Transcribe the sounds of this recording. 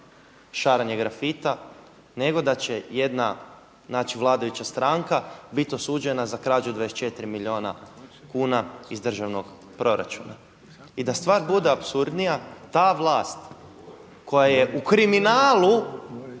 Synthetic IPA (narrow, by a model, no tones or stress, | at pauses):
ʃaːɾaɲeɡɾafit̪a | ne̞ɡo̞d̪at͡ɕejed̪na | naːt͡ɕiʋlˠaːd̪ajut͡ɕast̪ɾaŋkabit̪osuːd͡ʒe̞nazakɾaːd͡ʒud̪ʋadeset͡ʃe̞t̪ɾimilʎʲio̞ːna̰kuːnaizd̪r̩ʒaʋno̞ɡ | pɾo̞ɾa̰t͡ʃuna̰ | id̪ast̪ʋaːɾbud̪eapsuɾd̪nijat̪aːʋlˠaːst̪ | ko̞jajeʔukɾiminaːlˠu